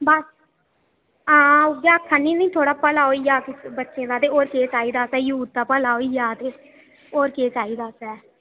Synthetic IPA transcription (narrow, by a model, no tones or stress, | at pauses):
bəs | ãːʊɡjaːkʰːənːĩːnĩːt̪ʰoːɽaːpəlaːoːiːjaːkɪsbətːʃẽːd̪aːt̪eːoːɾkeːt͡ʃaːiːd̪aːsɛːjuːt̪̚t̪aːpəlaːɦoːiːjaːt̪eː | oːɾkeːt͡ʃaːiːd̪aːsɛː